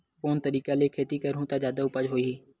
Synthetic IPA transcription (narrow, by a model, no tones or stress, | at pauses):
koːnt̪əɾiːkaːleːkʰeːt̪iːkəɾɦũːt̪ãd͡ʒaːd̪aːʊpəd͡ʒɦoːiiː